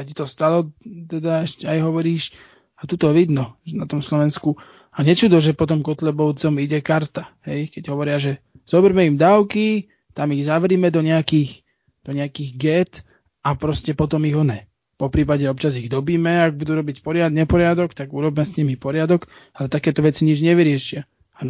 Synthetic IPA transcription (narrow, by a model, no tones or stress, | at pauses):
acit̪ɔst̪alɔt̪ɛd̪aɛʃcɛajɦɔʋɔɾiːʃ | at̪ut̪ɔʋid̪nɔɛnat̪ɔmslɔʋɛnsku | aɲɛt͡ʃud̪ɔʒɛpɔt̪ɔmkɔt̪lɛbɔʊt͡sɔmiɟɛkaɾt̪aɦɛjkɛɟɦɔʋɔɾɪaʒɛ | z̥ɔbɛɾmɛimd̪aːʊki | t̪amiɣzaʋɛɾiːmɛd̪ɔɲɛakiːx | d̪̥ɔɲɛakiːɣɡɛt̪ | apɾɔscɛpɔt̪ɔmiɣɦɔɲɛ | pɔpɾiːpaɟɛɔp̚t͡ʃaziɣd̪ɔbiːmɛaɡ̚bud̪uːɾɔbicpɔɾɪad̪ɲɛpɔɾɪad̪ɔkt̪aɡuɾɔbmɛsɲimipɔɾɪad̪ɔk | alɛt̪akɛːt̪ɔʋɛt͡siɲid͡ʒɲɛʋiɾɪɛʃɪa | a